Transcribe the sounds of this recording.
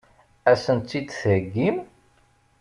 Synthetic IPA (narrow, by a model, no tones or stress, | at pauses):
æsənt̪ːid̪θəɾəɡːim